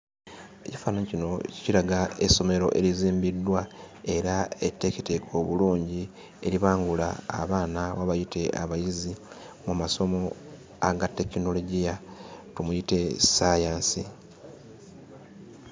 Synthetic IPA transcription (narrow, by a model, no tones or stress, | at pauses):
ecifaːnaɲcino̞cciɾaɡae̞so̞me̞ɾo̞̰ʔe̞̰ɾiziːmbidːwa | e̞ɾae̞tːe̞kitekʰo̞βuluːɲɟi | e̞̰ɾiβaːŋɡula̰ːβaːnawaβajite̞ʔa̰βajizi | mumaso̞mo̞ | a̰ɡatːe̞kino̞lo̞ɟijatumujite̞sajaːnsi